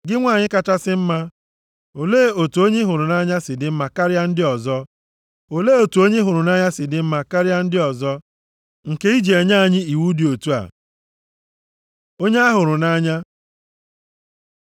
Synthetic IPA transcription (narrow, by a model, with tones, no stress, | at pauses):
ɡɪ˦ŋʷa˦˨ɲɪ˦ka˨t͡ʃa˦sɪ˦m̩˦ma˦ | o˨leː˦o˨tu˨o˦ɲe˦ɦʊ˨ɾʊ˨na˦ɲa˦sɪ˨dɪ˦m̩˦ma˨ka˦ɾja˦n̩˦dɪ˦ɔ˨zɔ˦ | o˨leː˦o˨tu˨o˦ɲe˦ɦʊ˨ɾʊ˨na˦ɲa˦sɪ˨dɪ˦m̩˦ma˨ka˦ɾɪ˦a˦n̩˦dɪ˦ɔ˨zɔ˦ | ŋ̩˨ke˦i˦d͡ʒe˨ɲa˦˨ɲɪ˦i˨wu˦di˨o˨tu˦a̰˨ | o˦ɲe˦a˦ɦʊ˨ɾʊ˨na˦ɲa˦